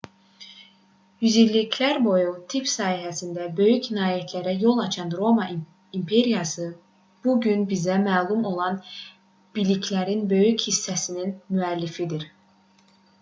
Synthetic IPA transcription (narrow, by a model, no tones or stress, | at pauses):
jyzilːikʰlæɾbo̞jut̪ʰipsɑːhiɦæsind̪æbø̞jycʰnɑːjet̪ʰlæɾæjo̞lˠɑt͡ʃʰɑnɾo̞mɑ | impʰe̞ɾijɑsɯ | b̥uɟynbizæmæːlˠumo̞lˠɑn | b̥ilicʰlæɾinbø̞jychisːæsininmyælːifid̪iɾ